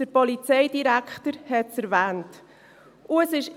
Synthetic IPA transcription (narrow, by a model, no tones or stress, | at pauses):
d̥əɾpɔlit͡sɛɪdiɾækχtəɾhɛtsɛɾvɛːnt | ʊəsɪʃ